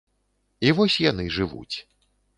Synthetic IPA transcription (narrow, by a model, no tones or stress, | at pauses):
ivɔsʲjanɨʐɨvṵt͡sʲ